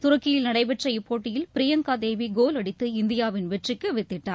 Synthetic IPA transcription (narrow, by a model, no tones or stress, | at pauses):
t̪ʊɾɐkːɪjɪlnɐɽɐɪbɛʈrɐjpːoːʈːɪjɪlpɪɾɪjɐŋkaːd̪eːʋiɡoːlɐɽɪt̪ːɯɪnd̪ɪjaːʋɪnʋɛʈrɪkːɯʋɪt̪ːɪʈːaː